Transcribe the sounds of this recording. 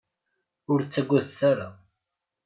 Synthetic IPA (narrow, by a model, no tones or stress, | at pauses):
ʊɾt͡sːæɡʷːæθθaɾa